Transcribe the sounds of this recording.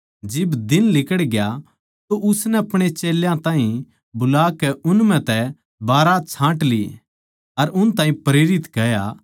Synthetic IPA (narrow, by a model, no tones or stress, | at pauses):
d͡ʒɪbd̪ɪnlɪkəɽɡja | t̪oʔʊsnɛɐpɽ̃et͡ʃeːljãt̪ãːɦĩ | bʊlaːkɛʔʊnmɛ̃t̪ɛ | baːɾat͡ʃʰãːʈli | ɐɾʊnt̪ãːɦĩpɾeːɾɪt̪kɐja